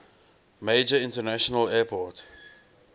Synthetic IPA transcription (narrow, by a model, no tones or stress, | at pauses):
meɪd͡ʒəɪ̃ntənaʃɔnəlɛːpʰɔt